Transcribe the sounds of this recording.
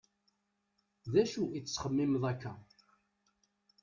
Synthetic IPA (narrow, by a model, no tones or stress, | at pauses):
ðæʃuit͡sːsχəmːɪmðˤækːæ